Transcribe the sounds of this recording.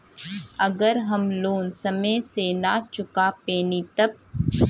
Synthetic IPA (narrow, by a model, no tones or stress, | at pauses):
ɐɡəɾɦɐmloːnsɐməsenat͡ʃʊkapeːnit̪ɐb̚